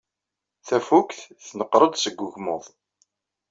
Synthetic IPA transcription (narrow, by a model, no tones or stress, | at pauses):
θæfukθθnəqːɾˤəd̪ˤsəɡʷːʊʝmʊðˤ